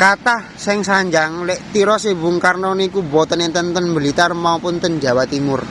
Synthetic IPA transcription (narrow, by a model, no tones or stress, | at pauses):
kat̪ah | sɪŋsaɲd͡ʒaŋlɛʔt̪iɾɔsebʊŋkarnɔnikubɔt̪ənent̪ənt̪ənbəlit̪armaupʊnt̪ənd͡ʒawat̪imʊr